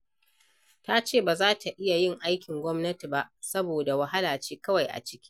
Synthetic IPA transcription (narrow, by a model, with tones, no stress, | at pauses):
ta˦t͡ʃeː˦˨baː˨zaː˦tʰa˨ʔɪ˦ja˨jɪ˦˨ŋʔa˦jkʲɪ˨ŋɡʷɔ˦mnɐ˦ti˨ba˦˨ʔsɐ˦boː˨da˨wa˨ɦa˦laː˨t͡ʃeː˦kɐ˦wa˨jʔa̰˨t͡ʃɪ̥˦kʲi̥˦